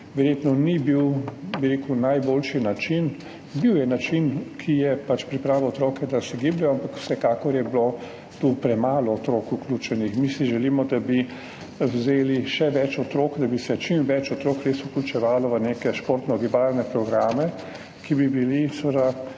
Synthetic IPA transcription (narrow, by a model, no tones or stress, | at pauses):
ʋɛɾjeːt̪nɔnibiwbiɾeːkunajboːlʃinat͡ʃin | biwjɛnat͡ʃinkʰijɛpat͡ʃpɾipɾaːʋɔot̪ɾoːkɛd̪asɛɡiblɛjɔampakw̥sɛkaːkɔɾjɛblo | t̪upɾɛmaːlɔːt̪ɾoːkuklʲuːt͡ʃɛnixmisiʒɛliːmɔd̪abi | wzeːliʃɛʋɛt͡ʃɔt̪ɾoːkd̪abisɛt͡ʃimʋɛt͡ʃɔt̪ɾoːkɾesuklʲut͡ʃɛʋaːlɔʋənekɛʃpoːɾt̪nɔɡibaːɾnɛpɾɔɡɾaːmɛ | kibibilisəd̪a